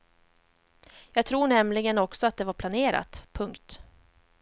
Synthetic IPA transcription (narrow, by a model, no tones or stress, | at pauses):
jɑːɡ̚t̪ʰɾuːɳɛmlɪɡənɔksɔat̪̚d̪ɛvaɾpʰlaneːɾa̰t̪pʰɵŋkt̪